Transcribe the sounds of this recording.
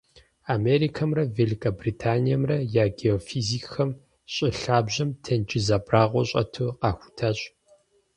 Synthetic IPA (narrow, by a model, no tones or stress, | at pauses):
ameːɾiːkʰɐmrɐveːlikʰɐbriːtʰaːnijɐmrɐjaːɡeofiziːkxɐm | ɕʼɪɬaːbʑɐmtʰɐnt͡ʃɪzaːbraːʁʷɔɕʼɐ̰tʰuːqɑːxʷʊ̥tʰaːɕ